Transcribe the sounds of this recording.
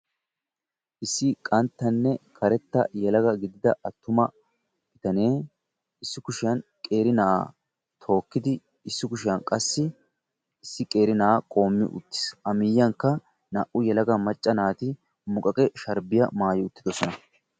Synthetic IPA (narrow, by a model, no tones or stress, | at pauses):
ʔɪsːɪkʼɐnt̪ːɐnːɛkʰɐɾɛt̪ːɐ̰jɛlɐɡɐɡɪd̪ɪd̪ɐʔɐt̪ːʊmɐ | bɪt̪ɐne̞ː | ɪsːɪkʊʃɪjɐnkʼeːɾɪnɐʔ | t̪ʰo̞ːkːɪd̪ɪ | ɪsːɪkʊʃɪjɐnkʼɐsːɪ | ɪsːɪkʼe̞ːɾɪnɐakʼo̞ːmːɪ̰ʔʊ̰t̪ːɪ̥sʔɐmɪjːɐŋkːɐ | nɐʔʊjɛlɐɡɐmɐt͡ʃʼːɐnaːt̪ɪ | mʊkʼɐkʼɛʃɐɾbɪjɐ̰maːjɪʊt̪ːɪd̪ɔsɔnɐ